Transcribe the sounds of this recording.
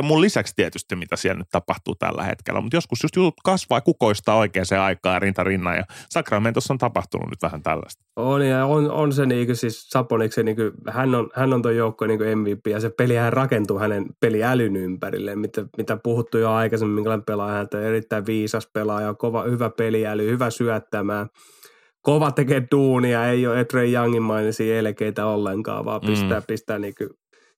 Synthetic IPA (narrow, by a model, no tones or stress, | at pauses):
mullisækst̪iɛt̪yst̪imit̪æsiɛlnyt̪t̪ɑpɑht̪ṵːt̪æ̰lːæ̰hḛt̪kḛlʔæ̰mut̪joskusjust̪jut̪ut̪kɑsʋɑːkukoist̪ɑːoikeːnseɑikɑːɑrint̪ɑrinːɑ̰jɑ̰sɑkrɑment̪osːont̪ɑpɑht̪ṵnṵnyt̪ʋæhænt̪æ̰lːæ̰st̪oljɑono̰nseniːkysissɑponikseniːkyhænːonhænːont̪oijoukːoniːŋkøemʋiːpːˑiːjɑsepelihærrɑkent̪uːhænenpeliælynympærḭlːemmit̪æmit̪æpuhut̪ːujoɑikɑsemːmiŋkælæmepelɑjɑhænet̪ːˑoerit̪ːæiʋʋiːsɑspelɑːjɑkoʋɑhyʋæpeliælyhyʋæsyæt̪ːæmæː | koʋɑt̪ekeːd̥uːniɑeioːet̪reijjɑŋːimːɑinesiːelekeit̪æolːeŋkɑ̰ːʋɑ̰ːpist̪æːpist̪æːniːky